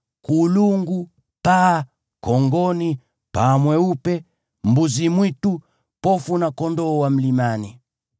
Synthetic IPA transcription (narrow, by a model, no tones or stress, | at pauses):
kuluŋɡu | pa | kɔŋɡɔni | pamwɛupɛ | mbuzimwitu | pɔfunakɔndɔːwam̩limani